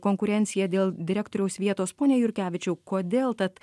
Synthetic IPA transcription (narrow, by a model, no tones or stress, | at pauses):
koːŋkʊɾʲɛnʲt̪sʲɪjɛd̪ʲeːlˠd̪ʲɪɾʲæːk̚t̪oːɾʲɛʊsʋʲiɛt̪oːspoːnʲeːjʊɾʲkʲæːʋʲɪt͡ʃʲɛʊkoːd̪ʲeːlˠt̪ɐt̪